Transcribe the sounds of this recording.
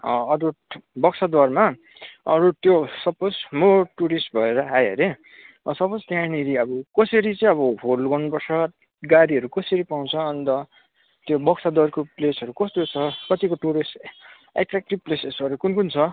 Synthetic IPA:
ʌʌɾubʌksʰad̪warma | ʌɾut̪josʌposmoʈuɾisʈ̚bʱʌeɾʌɦajʌɾe | ʌsʌpost̪jãniɾiʌbʌkʌsʌɾit͡sʌ̃ĩʌβʌɦolɡʌnupʌrt͡sʰʌ | ɡaɾiʌɾukʌsʌɾipaw̃t͡sʰʌːnt̪ʌ | t̪jobʌksʰad̪warkoplesʌɾukʌst̪ot͡sʰʌkʌt̪ikoʈuɾisʈ | ḛʈrak̚ʈib̚plesesʌɾukunkunt͡sʰʌ

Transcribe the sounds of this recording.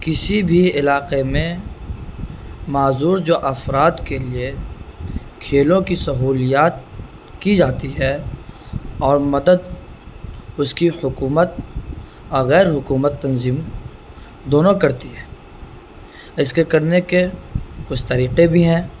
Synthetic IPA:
kɪsibʱiɪlaːqemẽ | maːzuːɾd͡ʒoːʔɐfɾaːt̪kelie | kʰeːlõkisɐɦuːlijaːt̪̚ | kid͡ʒaːt̪iɦɛ | ɔːɾmɐd̪əd̪ | ʊskihʊkuːmət̪̚ | ɔːɾɣɛːɾɦʊkuːmət̪ːɐ̃nziːm | d̪oːnõkɐɾt̪iɦɛː | ɪskekɐɾnekekʊt͡ʃʰt̪ɐɾiːqebʱiɦɛ̃ː

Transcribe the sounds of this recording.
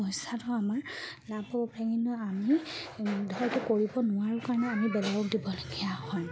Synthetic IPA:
ɔjsatʊamaɹlabɦɔbɔpɹaɡinʊami | dʱɔjtʊkoɹibɔnʊwaɹʊkaɹɔnɛamibɛlajɔk̚dibɔloɡijahɔj

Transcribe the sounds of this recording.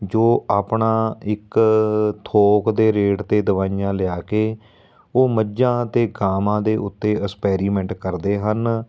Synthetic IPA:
d͡ʒoːaːpɳaːɪk | t̪ʰoːkd̪eːɾeːɖt̪eːd̪əʋaːijãːlɪaːkeː | oːməd͡ʒãːt̪eːɡaːmãːd̪eːʔʊt̪ːeːəkspɛːɾiːmɛ̃ɳʈkəɾd̪eːɦən

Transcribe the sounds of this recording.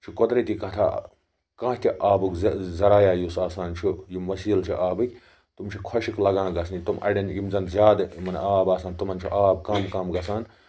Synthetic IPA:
t͡ʃʰukod̪ɾet̪ikɐ̃t̪ʰa | kɐ̃ːɦt̪ʲiʔaːbuɡzzɐɾaːjaːjusaːsaːnt͡ʃʰujumʋɐsiːlt͡ʃʰiʔaːbɨkʲ | t̪umt͡ʃʰikʰɐʃiklɐɡãːɡɐsnit̪umʔɐ̰ɽʲenjimzɐnzʲjaːd̪mɐnaːbaːsaːnt̪umɐnt͡ʃʰḭʔaːb̚kɐmkɐmɡɐsaːn

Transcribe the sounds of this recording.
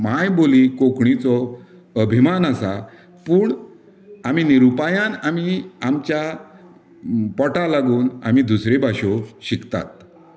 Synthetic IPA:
majbolikokɳit͡sɔ | əbʱimanəsa | puːɳ | amiːniɾupajãnamiamt͡ɕja | pɔʈalaɡuːna̰mid̪usɾebʱaɕoɕikt̪a̰t̪̚

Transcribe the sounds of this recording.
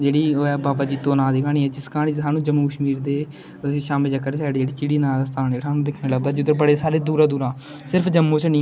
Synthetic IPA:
d͡ʒeːɽiːɛːbaːbaːd͡ʒiːt̪oːnãːd̪iːɡaːɳ̃iːɛːd͡ʒɪskaːnĩɦaːnũːd͡ʒəmuːkəʃmiːɾd̪eː | ʃaːmɪld͡ʒəkːəɾeːsaːɽiːd͡ʒeːɽiːt͡ʃɪɽiːnãːd̪aːst̪ʰaːnd͡ʒeːɽaːnũːd̪ekʰneːləbd̪aːd͡ʒid̪əɾbəɽeːsaːɾeːd̪uːɾaːd̪uːɾãː | sɪɾpʰd͡ʒəmːõːt͡ʃnĩː

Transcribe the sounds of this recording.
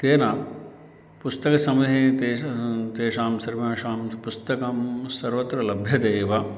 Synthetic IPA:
t̪eːna | pust̪ɐkɐsɐmud̪ʱeːt̪eːt̪eːʃaːmsɐɾʋɐʃaːmpust̪ɐkɐmsɐɾʋɐt̪ɾɐlɐbʱjɐd̪eːʋɐ

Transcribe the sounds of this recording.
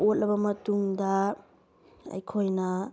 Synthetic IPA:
ot̚lɐbɐmɐtuŋdɐ | ɐ̰jkʰojnɐ

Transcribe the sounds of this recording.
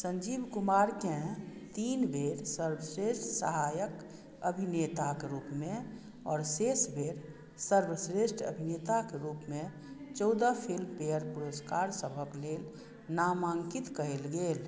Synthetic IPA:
sə̃ɲd͡ʒiːbkʊmaɾkẽt̪iːnbʱeːɾsəɾbəsɾeʃʈʰsə̰ɦajək | əbʱinet̪akeɾuːpmẽ | ɔːɾsesbʱeːɾ | səɾbəsɾeʃʈʰə̰bʱinet̪akeɾuːpmẽ | t͡ʃɔʊd̪apʰilmpejəɾpuɾəskaɾsəbʱəkleːl | namaːŋkit̪kəɦelɡeːl

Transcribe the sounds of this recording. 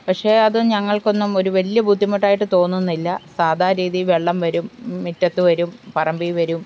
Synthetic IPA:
pɐkʂe̞ːɐðɨɲɐŋːɐɭko̞nːumo̞ɾuʋɐlijɐbʱud̪ʱːimɐʈːaːjiʈːɨt̪o̞ːnːunːilːɐsaːd̪ʱaːɾiːðiʋeɭːɐmʋɐɾumːitːɐt̪ːɨʋɐɾumpɐrɐmbijʋɐɾum

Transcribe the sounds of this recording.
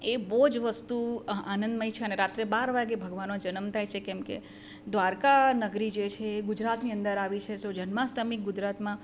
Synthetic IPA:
ebod͡ʒʋəst̪uanə̃nd̪məjt͡ʃʰeəneɾat̪ɾebaɾʋaɡebʱəɡʋanmãd͡ʒənəmt̪ʰajt͡ʃʰekɛmkḛ | d̪ʋaɾkanəɡɾid͡ʒet͡ʃʰeɡʊd͡ʒɾat̪niənd̪əɾaʋit͡ʃʰesod͡ʒənmasʈəmik̚ɡʊd͡ʒɾat̪mã

